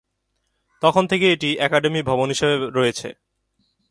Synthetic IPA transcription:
t̪ɔkʰont̪ʰekeeʈiɛkaɖemibʱɔbonɦiʃebeɾɔjet͡ɕʰḛ

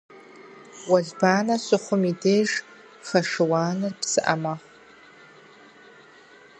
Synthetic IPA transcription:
wazbaːnasʷɨχʷʊmidejʐ | faʂɨwaːnɨrpʰsɨʔa̰maχʷ

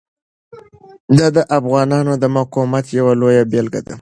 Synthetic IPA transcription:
d̪ɑd̪əʔafɣɑnɑnod̪əmaqomat̪jawalojabelɡa̰d̪a

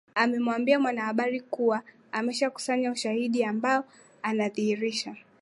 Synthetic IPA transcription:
amɛmwambiamwanahaɓaɾikuwa | amɛʃaku̥saɲauʃahiɗiambaɔ | anaðihiɾiʃa

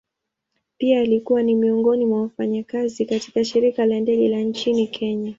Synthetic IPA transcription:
piaːlikuwanimiɔŋɡɔnimwawafaɲakazikati̥kaʃiɾikalandɛɡɛlant͡ʃinikʰɛɲa

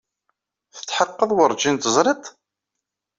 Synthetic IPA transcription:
θə̥t͡sːħəqːəðˤwəɾˤd͡ʒint̪əzˤɾˤit̪ˤ

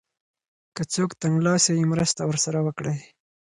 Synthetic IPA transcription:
kət͡sokt̪aŋɡlɑsejimɾəst̪awəɾsaɾawəkɽəj

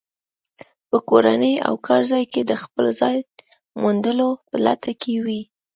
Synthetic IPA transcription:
pəkoɾanəja̰wkʰɑɾzɑjked̪əxpəlzɑj | mund̪əlopəla̰t̪akʰewi

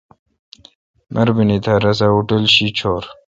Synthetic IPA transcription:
mʔɐɾbinit̪ʰaɾɐs̬auʈəlɕit͡ɕʰoːɾ

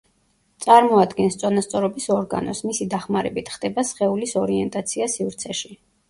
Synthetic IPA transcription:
t̪sʼaɾmɔad̪ɡɛnst̪sʼɔnast̪sʼɔɾɔbisɔɾɡa̰nɔ̰smisid̪aχmaɾɛbit̪ʰχd̪ɛbasχɛulisɔɾiɛnt̪ʼat̪sʰiasivɾt̪sʰɛʃi

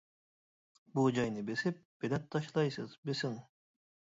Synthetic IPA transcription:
bud͡ʒɑjnɯbesip̚b̥elat̪ʰːɑʃlˠɑjsɯzbesiŋ

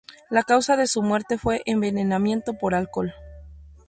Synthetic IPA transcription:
lakawsaðe̞sumwe̞ɾt̪e̞fwe̞ʔembe̞ne̞namje̞nt̪o̞po̞ɾalko̞l

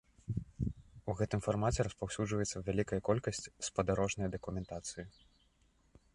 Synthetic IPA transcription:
uɣɛt̪ɨmfarmat͡sʲɛɾɐspawsʲud͡ʐvɐjɛt̪sːɐvʲalʲikɐjɐkɔlʲkɐsʲt͡sʲspɐd̪aɾɔʐnɐjd̪ɐkumʲɛnt̪at̪sɨji

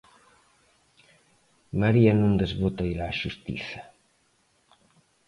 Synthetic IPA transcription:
maɾianũnd̪ezβot̪aiɾaːʃust̪ḭθa

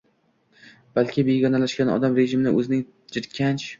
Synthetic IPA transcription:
b̥alkʲʰɪbe̞ɡʲɒnalaʃkʲanɒ̰d̪amɾe̞ʒɪmɪnɪʔɵzɪnɪŋ | d͡ʒɪɾkʲʰant͡ʃ

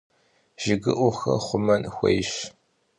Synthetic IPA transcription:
ʒ̥ɪɡɨʔʷʊxɐ̰χʷʊmɐnxʷɐ̰jɕ

